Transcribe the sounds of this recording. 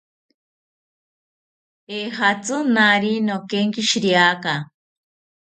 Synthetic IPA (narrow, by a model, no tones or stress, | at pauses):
eːhat͡sɨnaɾinokeŋkiʃiɾiaka